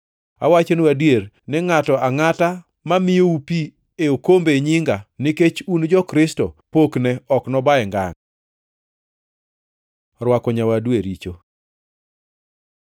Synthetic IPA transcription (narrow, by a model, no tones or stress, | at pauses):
a̰wat͡ʃonuwadjeɾ | nɪŋatɔaŋata | mamɪjoupi | eokombeɲiŋɡanɪket͡ʃund͡ʒɔkɾɪstɔpoknɛɔknɔbaɛŋɡa̰ŋ | ɾwakɔɲawadweɾit͡ʃo